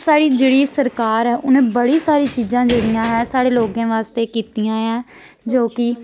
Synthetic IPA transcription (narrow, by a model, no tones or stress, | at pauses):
saːɽiːd͡ʒeːɽiːsəɾkaːɾɦɛːʔʊnẽːbəɽiːsaːɾiːt͡ʃiːzãːd͡ʒeːɽɪjãːɦɛːsaːɽeːloːɡãːʋaːst̪eːkiːt̪ijãːɛː | d͡ʒoːkɪ